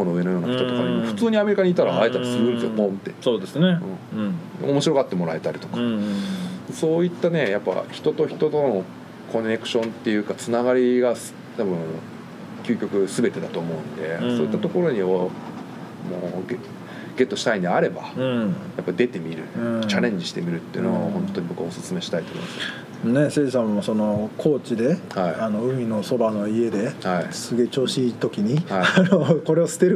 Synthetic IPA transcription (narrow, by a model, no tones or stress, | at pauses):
konoɯ̟e̞no̞jo̞ːnaçit̪o̞t̪kanimoɸɯ̟̥t͡sɨːɲ̟iame̞ɾʲikaɲ̟iːt̪aɾaaet̪aisɨɾɯ̃nesɡopõnt̪ːe̞̰soːd̪esɨneɯ̟̃omo̞ɕiɾo̞kat̪ːe̞mo̞ɾae̞t̪aɾʲit̪o̞kḁ | so̞ːit̪ːane̞japːa̰çi̥t̪o̞t̪o̞çi̥t̪o̞t̪o̞no̞ | kʰo̞nʲːe̞kɯ̟̥ɕõ̞nt̪ːe̞jɯ̟kat͡sɨnaɡaɾʲiɡas | t̪abɯ̟̃ŋ | kʲɨːkʲo̞kɯ̟sɨbe̞t̪e̞d̪at̪o̞ːmo̞ɯ̟̃nd̪e̞so̞ːit̪ːat̪o̞ko̞ɾo̞ɲ̟io | mo̰ːɡ | ɡe̞t̪ːo̞ɕi̥t̪aĩnd̪eaɾe̞ba̰ɯ̃japːad̪e̞t̪e̞mʲiɾɯ̟ɯ̃t͡ɕaɾẽ̞ɲ̟d͡ʑiɕi̥t̪e̞mʲiɾɯ̟t̪ːeiɯ̟noahõnt̪ːo̞ɲ̟ibo̞kɯ̟osɨ̥t͡sɨme̞ɕi̥t̪ait̪omo̰ḭmasɨ | ne̞seːs̬ãmːoso̞no̞kʰo̞ːt͡ɕid̪e̞haiano̞ɯ̟mʲino̞so̞bano̞ie̞d̪e̞haisɨɡe̞t͡ɕo̞ːɕiːt̪o̞kʲiɲ̟ihaianoko̞ɾe̞osɨ̥t̪eɾɯ